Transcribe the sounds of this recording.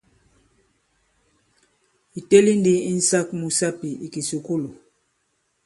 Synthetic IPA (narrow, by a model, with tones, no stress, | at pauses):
i˨te˦li˦ndi˦i˦n̩˦sa˦k̚mu˨sa˦pi˨i˨ki˨su˨ku˦lu˨